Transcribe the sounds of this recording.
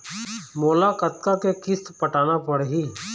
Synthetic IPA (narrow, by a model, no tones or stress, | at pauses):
moːlakət̪kakekɪst̪pəʈaːnapəɽɦiː